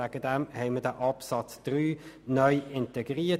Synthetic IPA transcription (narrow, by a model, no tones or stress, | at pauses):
æɡ̥əd̥ɛmhɛɪmədæʔɑpsɑt͡sd̥ʁyːnœʏɪntɛɡʁiːɐ